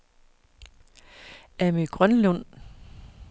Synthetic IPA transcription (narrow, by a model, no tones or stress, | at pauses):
æmiɡ̥ʁɶnlɔn̰